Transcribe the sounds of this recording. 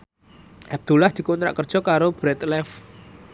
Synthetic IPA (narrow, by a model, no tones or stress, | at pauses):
ʔɛb̚d̪̥ulahd̪̥i̤kont̪ɾa̰ʔkərd̥ʒ̥ɔ̤kaɾob̥ɾɛt̪lɛf